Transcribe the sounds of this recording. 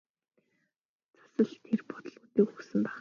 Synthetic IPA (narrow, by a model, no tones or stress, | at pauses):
t͡sʰḁsə̆ɮt̪ʰerpɔ̥t̪ə̆ɮut̪iːkɵksɘ̆mpæːχ